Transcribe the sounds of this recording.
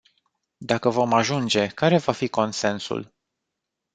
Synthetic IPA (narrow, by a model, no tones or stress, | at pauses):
d̪akəvo̞maʒund͡ʒe̞kaɾe̞vafiko̞nse̞nsṵl